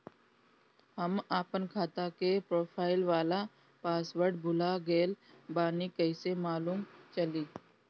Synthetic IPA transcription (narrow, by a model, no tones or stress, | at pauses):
hɐmaːpənkʰaːt̪akepɾoːpʰaːɪlʋaːla | paːsʋəɾɖbʱʊlaɡeːlbaːnikɐɪsemaːluːmt͡ʃɐliː